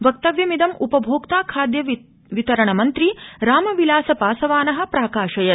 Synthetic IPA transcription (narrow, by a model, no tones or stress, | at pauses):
ʋɐk̚t̪ɐʋjɐmid̪ɐmʔupɐbʱoːkt̪aːkʰaːd̪jɐ | ʋit̪ɐɾɐɳɐmɐnt̪ɾiɾaːmɐʋilaːsɐpaːsɐʋaːnɐɦɐ̆pɾaːkaːʃɐjɐ